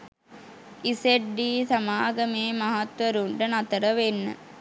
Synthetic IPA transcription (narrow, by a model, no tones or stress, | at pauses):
iseɖːiːsamaːɡəmeːmaɦat̪ʋəɾuɳɖənat̪əɾəʋenːə̰